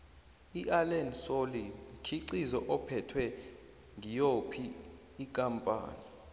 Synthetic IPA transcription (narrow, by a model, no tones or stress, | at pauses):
iʔalɛnsolikʰiǀizɔʔɔpʰɛtʰwɛ | ŋijopʰiː | kʼampʼa̰ːni